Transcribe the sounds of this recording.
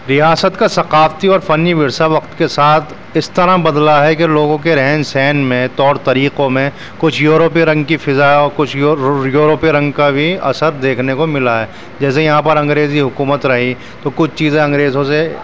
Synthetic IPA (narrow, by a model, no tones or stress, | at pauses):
ɾijaːsət̪kasɐqaːft̪iɔːɾfɐnːiʋɪɾsaʋɐqt̪kesaːt̪ʰ | ɪst̪ɐɾãbɐd̪laɦɛkeloːɡõk̬eɾɛɦɛnsɛːnmẽt̪ɔːɾt̪ɐɾiːqõmẽ | kʊt͡ʃʰjuːɾoːpiɾɐ̃ŋɡkifɪzaɔːɾkʊt͡ʃʰjuːɾoːpiɾɐ̃ŋɡkabʱiɐ̰səɾd̪eːkʰnekomɪlaɦɛː | d͡ʒɛːsejɐɦãpɐɾɐ̃ŋɡɾeːziɦʊkuːmət̪ɾɐɦi | t̪okʊt͡ʃʰt͡ʃiːzẽɐ̃ŋɡɾeːzõse